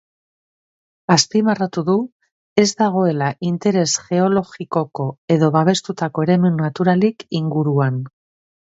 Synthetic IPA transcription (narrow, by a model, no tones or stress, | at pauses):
aspimarat̪uðu | e̞zd̪aɣ̞o̞e̞laʔint̪e̞ɾe̞sʝe̞o̞lo̞xiko̞ko̞e̞ðo̞βaβ̞e̞st̪ut̪ako̞e̞ɾe̞munnat̪uɾalikiŋɡuɾuan